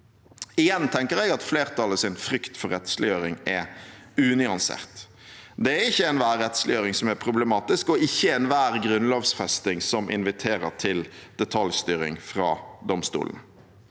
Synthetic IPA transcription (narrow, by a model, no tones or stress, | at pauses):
ɪjɛnt̪ʰɛŋkəʁɛɪɡɑt̪fleːʁt̪ʰɑləsɪnfɾʏkt̪fɔɾɛt̪slɪjøːɾɪŋɛ | ʉːnɪɑnsḛːʁt̪ | d̪ɛæɾɪçːəɛnʋæːʁːɛt̪slɪjøːɾɪŋsɔmæpʰʁʊblɛmɑːt̪ɪskɔɪçːəɛnʋæːʁɡɾʉnloːʋsfɛst̪ɪŋsɔmʔɪ̰nʋɪt̪ʰeːɾə̰ʁt̪ʰɪld̪̥ɛt̪ʰɑljst̪yːɾɪ̰ŋfʁɑ̰ːd̪ɔmst̪ṵːln̩